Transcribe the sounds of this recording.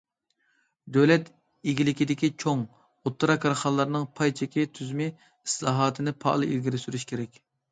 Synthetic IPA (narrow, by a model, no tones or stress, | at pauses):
d̪øwlɛt̪ | iɡʲilɪkʲid̪ɪkʲit͡ʃʰoŋ | ot̪ʰːɾɑkʰːɑɾχɑlˠːɑɾnɨŋpʰɑjt͡ʃʰɪkʲit̪ʰyzymɪ | i̥slˠɑːɦɑːt̪ʰɨnɪpʰɑ̰ʔlˠɨʔizɡʲiɾsyɾyʃkʲʰeɾɛkʲ